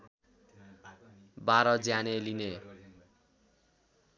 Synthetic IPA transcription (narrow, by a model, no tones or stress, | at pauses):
baɾʌd͡zjaneline